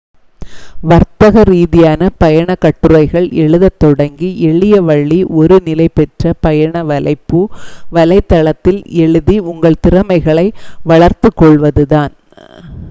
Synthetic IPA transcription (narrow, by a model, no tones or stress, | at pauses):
ʋɐɾt̪ɐɣɐɾiːðɪjaːnɐpɐjɐɳɐkːɐʈːɯɾɐɪɣɐɭɛɭɯðɐt̪ːɔɽɐŋɡiʔɛɭɪjɐʋɐɭːiʔɔɾɯnɪlɐɪpɛʈrɐpɐjɐɳɐʋɐlɐɪpːɯʋɐlɐɪt̪ːɐɭɐt̪ːɪlɛɭɯðiʊŋɡɐɭt̪ɪɾɐmɐɪɣɐɭɐɪʋɐɭɐɾt̪ɯkːɔɭʋɐðɯðaːn